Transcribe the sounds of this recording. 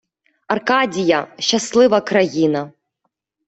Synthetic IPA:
ɐrkadʲijɐʃːaslˠɪvɐkɾɐjinɐ

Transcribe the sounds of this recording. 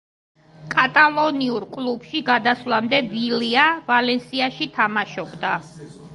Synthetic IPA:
kʼat̪ʼalˠɔniuɾkʼlˠubʃiɡad̪aslamd̪ɛviliavalɛnsiaʃit̪ʰamaʃɔbd̪a

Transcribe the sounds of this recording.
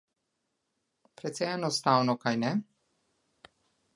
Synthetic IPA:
pɾɛt̪sɛɛnɔst̪awnɔkajnɛ

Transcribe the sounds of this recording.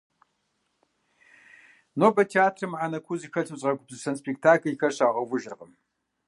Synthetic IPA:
noːbɐtʰeaːtʰrɨmʕanɐkʷʰuzikʰɐɬʰɨpɕʼʁɐɡʷʊbzɨsɐnspek̚tʰaːkʰlixɐɕaːʁɐwʷʊʒɪrʁəm

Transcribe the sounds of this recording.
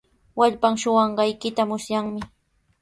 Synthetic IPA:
waʎpaŋʃʊwɑɴɢɑjkɪt̪amʊsjaŋmɪ

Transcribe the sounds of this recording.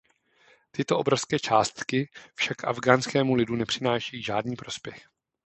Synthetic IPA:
t̪ɪt̪oʔobɾo̞fskɛːt͡ʃaːst̪kɪfʃakːʔa̰vɡaːnskɛːmulɪdunɛpr̝̥ɪnaːʃɛjiːʒaːdniːpɾo̞spjɛx

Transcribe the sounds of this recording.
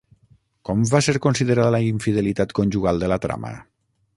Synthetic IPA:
kɔmvaseɾkonsiðəɾaðəlaiɱfiðelit̪at̪konʲʒuɣalˠd̪əlat̪ɾa̰mə̰

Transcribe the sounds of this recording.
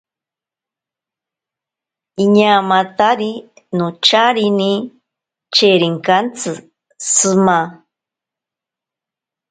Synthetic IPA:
iɲamãt̪aɾi | nõt͡ʃaɾini | t͡ʃeɾiŋkant͡sɨ | sɨma

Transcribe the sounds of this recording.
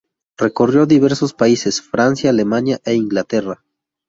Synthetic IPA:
re̞ko̞rjo̞ðiβe̞ɾso̞spaise̞sfɾansjaːle̞manjaʔeiŋɡlat̪e̞ra

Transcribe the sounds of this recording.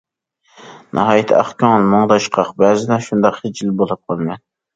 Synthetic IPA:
nʔɑ̰ɦɑːjit̪ʰɑ̰χkʲɑŋlˠmɑŋd̪ɑʃqʰɑqbæzɪd̪ɛʃund̪ɑqhet͡ʃilbolˠɨp̚qʰɑlˠmɛn

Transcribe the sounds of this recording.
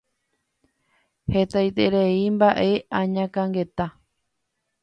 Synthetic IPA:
het̪ajt̪eɾeimbaʔe̞ãɲãkãŋɡe̞t̪a

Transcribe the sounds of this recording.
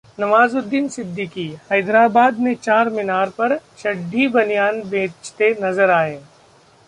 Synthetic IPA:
nɐʋaːzod̪ːinsɪd̪ːɪkihɐjd̪ɾaːbaːd̪mẽt͡ʃaːɾmɪnaːɾpɐɾʃɐɖʱːibɐnijaːnbẽːt͡ʃt̪enɐzəɾaːẽː

